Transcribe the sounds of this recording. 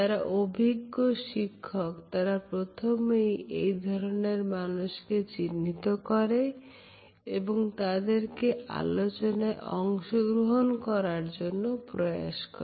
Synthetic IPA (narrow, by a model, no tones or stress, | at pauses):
aɾaʔobʱiɡːoʃikʰːɔkt̪aɾapɾot̪ʰomejḛjd̪ʱɔɾoneɾmanuʃket͡ɕinːit̪okɔɾe | eboŋt̪ad̪eɾkea̰lot͡ɕonaeʔɔ̰ŋʃoɡɾoɦonkɔɾaɾd͡ʒonːopɾɔja̰ʃkɔ̰ɾe